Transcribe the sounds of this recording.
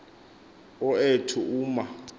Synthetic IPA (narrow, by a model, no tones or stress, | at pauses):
ɔetʰuuːma